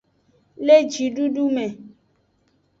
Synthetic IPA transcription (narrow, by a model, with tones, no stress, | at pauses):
le˦d͡ʒi˨ɖu˦ɖu˦mɛ˨